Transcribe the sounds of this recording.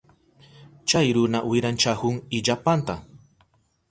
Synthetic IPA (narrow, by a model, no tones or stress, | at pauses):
t͡ʃajɾʊnawɪɾant͡ʃahʊŋɪʎapant̪a